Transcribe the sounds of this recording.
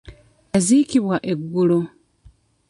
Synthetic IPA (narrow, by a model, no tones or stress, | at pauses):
aziːciβwaʔe̞ɡːulo